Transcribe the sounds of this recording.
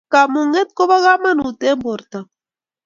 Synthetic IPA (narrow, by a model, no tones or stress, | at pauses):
kamuŋet̪̚koβaɣamanut̪emboɾt̪a